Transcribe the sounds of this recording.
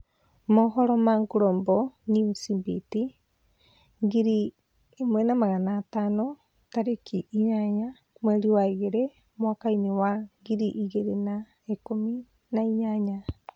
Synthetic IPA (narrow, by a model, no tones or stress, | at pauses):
moɦoɾomaŋɡuɾomboniusibiti | ŋɡiɾiː | mwenamaɣanatano | taɾekʰiʔːɲaɲa | mweɾiwaiɣeɾe | mwakainewaŋɡiɾiʔiɣeɾena | ekomi | naiɲaɲa